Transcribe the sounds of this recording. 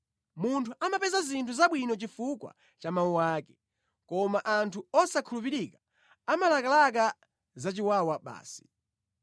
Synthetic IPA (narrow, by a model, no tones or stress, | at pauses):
muntʰuʔamapɛzazintʰuzaɓwinɔt͡ʃifukwa̰ | t͡ʃamauwaːkɛ | kɔmaʔantʰuɔsakʰulupiɾikḁ | amalakalak̬a | zat͡ʃiwawaɓa̰ːsi̥